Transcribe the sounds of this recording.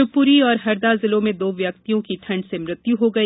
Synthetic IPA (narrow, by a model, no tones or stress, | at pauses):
ʊpuːɾiɔːɾɦɐɾd̪azɪlõmẽd̪oːʋjɐk̚t̪ijõkiʈʰɐ̃ɳɖsemɾɪt̪juɦoɡɐiː